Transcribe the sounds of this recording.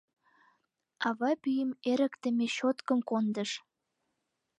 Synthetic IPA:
ɑβɑpyjəmeɾə̆kt̪ə̆meɕot̪kə̆mkond̪əʃ

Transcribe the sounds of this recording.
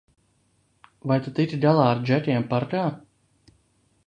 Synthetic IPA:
vajt̪at̪iɾd̪alˠaːaɾd͡ʒɛt̪ʲiɛmpaɾkaː

